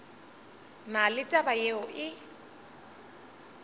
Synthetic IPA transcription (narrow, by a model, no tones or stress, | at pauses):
nalɪtʼabajeɔʔɪ